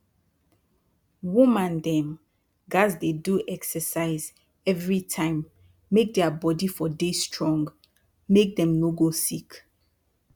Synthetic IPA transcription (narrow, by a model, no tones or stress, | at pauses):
wumãndɛ̃m | ɡazdeduʔɛksəsaɪz | ɛvɹitʰãɪ̃mː | ek̚dɛabɔdifɔdestɹɔ̃ŋɡ | mek̚dɛ̃mnoɡosik